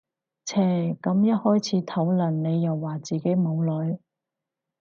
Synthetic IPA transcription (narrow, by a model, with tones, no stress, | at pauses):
t͡sʰɛː˨˩kɐ˨˧˥mjɐ˥t̚hɔː˥jt͡sʰiː˨˧˥t̪ʰɐ˨˥wlɐ˨˩nne˨˧jːɐ˨wːaː˨˩t͡siː˨˩ke˨˥jmo˨˧wlɵ˨˥ɥ